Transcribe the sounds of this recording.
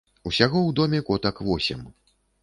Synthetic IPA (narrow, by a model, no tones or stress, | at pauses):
usʲaɣɔwd̪ɔmʲɛkɔt̪ɐkvɔsʲɛ̰m